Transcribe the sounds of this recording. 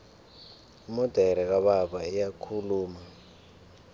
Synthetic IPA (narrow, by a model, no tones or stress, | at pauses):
imɔd̥ʱɛɾɛk̬aɓaɓaijakʰuluːma